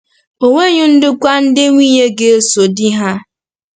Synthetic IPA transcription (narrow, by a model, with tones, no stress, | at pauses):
o˨ŋʷe˦ɲʊ˦n̩˦dɪ˦kʷa˦n̩˦dɪ˦ŋʷiː˦ɲe˦ɡe˦e˦so˨dɪ˦ɦa˦